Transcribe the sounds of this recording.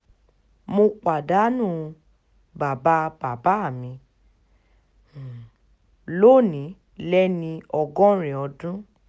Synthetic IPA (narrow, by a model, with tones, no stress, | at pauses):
mo˧k͡pa˨da˨˦nũː˦˨ | ba˨ba˦b̥a˨ba˨˦a˦˨mĩ˧˨ | lo˦˨nĩ˨˦ | lɛ˦nĩ˧ɔ˧ɡɔ̃˦ɾĩ˨ɔ˧dũ˦